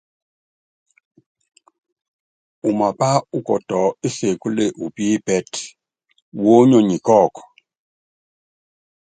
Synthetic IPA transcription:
u˨ma˨pa˦u˦kɔ̰˨tɔ˨i˦se˨ku˦le˦˨ʔu˨pi˦pɛ˦t | wo˦ɲɔ˨ɲi˨kɔ˦˨k

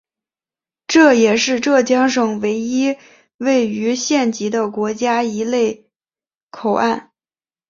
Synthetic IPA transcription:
ʈ͡ʂɤ˥˩jɛ˨˩ʂɻ̩˥˧ʈ͡ʂɤ˥˩t͡ɕjɑ˥ŋʂɤ˨˩ŋwe˧˥ɪi˥ | we˥˩ɪy˧˥ɕjɛ˥˩nt͡ɕi˧˥d̪ə˧kwɔ˧˥t͡ɕja˥i˧˥le˥˩ɪ | kʰo˨˩ʊʔa˥˩n

